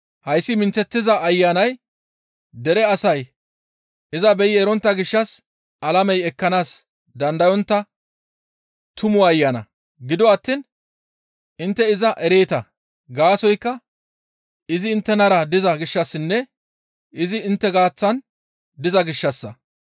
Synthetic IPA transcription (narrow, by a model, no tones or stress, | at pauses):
hɐjsːɪmɪnt͡sːɛt̪ːɪzɐːjːanɐj | d̪ɛɾɛɐsɐj | ʔɪzɐbɛjɪɛɾɔnt̪ːɐɡɪʃːɐs | ʔɐlɐmɛjɛkːɐnaːs | d̪ɐnd̪ɐjɔnt̪ːɐ | t̪ʊmʊɐjːanɐ̰ | ɡɪd̪ɔɐt̪ːiːn | ɪnt̪ːɛɪzɐʔɛɾe̞ːt̪ɐ | ɡaːsɔjkːɐ | ɪzɪːnt̪ːɛnɐɾɐd̪ɪzɐɡɪʃːɐsːɪnːɛ | ɪzɪɪnt̪ːɛɡaːt͡sːɐn | d̪ɪzɐɡɪʃːɐsːɐ